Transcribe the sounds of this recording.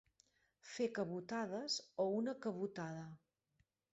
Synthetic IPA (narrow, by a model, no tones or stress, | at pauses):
fekəβut̪að̞əzounəkəβut̪aðə